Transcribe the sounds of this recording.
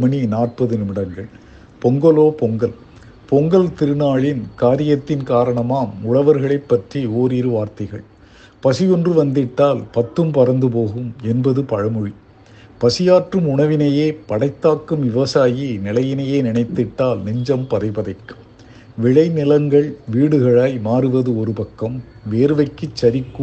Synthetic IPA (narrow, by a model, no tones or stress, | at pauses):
mɐɳinaːrpɐðɯnɯmɪɽɐŋɡɐɭ | pɔŋɡɐloːpɔŋɡɐl | pɔŋɡɐlt̪ɪɾɯnaːɭɪnkaːɾɪjɐt̪ːɪnkaːɾɐɳɐmaːmʊɻɐʋɐɾɣɐɭɐɪpːɐʈrioːɾiːɾɯʋaːɾt̪ɐɪɣɐɭ | pɐsɪjɔndrɯʋɐnd̪ɪʈːaːlpɐt̪ːɯmpɐɾɐnd̪ɯp̬oːɣɯmɛnbɐðɯpɐɻɐmɯɻi | pɐsɪjaːʈrɯmʊɳɐʋɪnɐjeːpɐɽɐɪt̪ːaːkːɯmʋɪʋɐsaːjinɪlɐjɪnɐjeːnɪɳɐɪt̪ːɪʈːaːlnɪɲd͡ʒɐmpɐðɐɪpɐðɐɪkːɯ̥ | ʋɪɻɐɪnɪlɐŋɡɐɭʋiːɽɯɣɐɭaːjmaːɾɯʋɐðɯɔɾɯpɐkːɐmʋeːɾɯʋɐɪkːɯt͡ʃːɐɾɪkːɯ